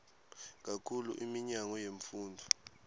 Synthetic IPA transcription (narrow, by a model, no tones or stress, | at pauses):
k̬akʰuluʔimiɲaŋɔjeɱfuːndʱu